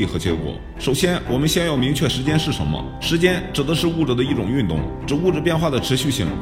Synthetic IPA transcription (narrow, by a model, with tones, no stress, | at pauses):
i˥˩xɤ˧˥t͡ɕjɛ˥kwɔ̰˨˩˦ | ʂo˨˩ʊɕjɛ˥nwʔɔ˨˩mə˦nɕjɛ˥njo˥˩ʊmi˧˥ŋt͡ɕʰɥɛ˥˩ʂɻ̩˧˥t͡ɕjɛ˥nʂɻ̩˥˩ʂə˧˥nmə̰˧ | ʂɻ̩˧˥t͡ɕjɛ˥nʈ͡ʂɻ̩˨˩d̪ə˦ʂɻ̩˥˧u˥˩ʈ͡ʂɤ˨˩d̪ə˦i˥˩ʈ͡ʂʊ˨˩ŋy˥˧nt̪ʊ̰˥˩ŋʈ͡ʂɻ̩˨˩u˥˩ʈ͡ʂɤ˨˩p̬jɛ˥˧nxwa˥˩d̪ə˩ʈ͡ʂʰɻ̩˧˥ɕy˥˧ɕi˥˩ŋ